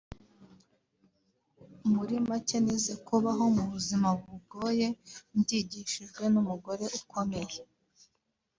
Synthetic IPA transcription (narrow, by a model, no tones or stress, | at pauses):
muɾimaceneze̞kuβaɦo̞muβuzimaβuuɡo̞ːje̞ndiɟiʃiʒɡwe̞numuɡo̞ɾe̞ʔukʰo̞me̞je